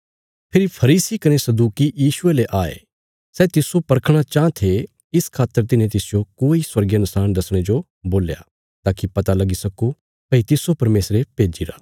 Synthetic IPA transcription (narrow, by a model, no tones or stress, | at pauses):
pʰɪɾipʰɐɾiːsikɐnesɐd̪uːkijiːʃʊeleʔaːḛ | sɛːt̪ɪsopɐɾkʰɽ̃at͡ʃãːt̪ʰe | ɪskʰaːt̪ːəɾt̪̬ɪnẽt̪ɪsɪjokoːiswɐɾɡjɐnʊsaːnd̪ɐsɽ̃ed͡ʒo | boːlja̰ː | t̪aːkipɐt̪alɐɡisɐko | pɐit̪ɪsopɐɾmeːsɾepeːd͡ʒiɾa̰ː